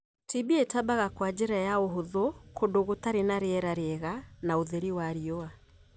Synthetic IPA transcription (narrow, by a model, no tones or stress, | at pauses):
tʰibietabaɣakwad͡ʑeɾajaoɦoðokʰodoɣotaɾenaɾeɛɾaɾeɛɣanaoðɛɾiwaɾiɔa